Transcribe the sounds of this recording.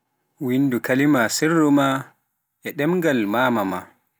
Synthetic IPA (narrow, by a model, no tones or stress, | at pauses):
windukalimasɛrːɔma | ɛɗɛmɡalmaːmama̰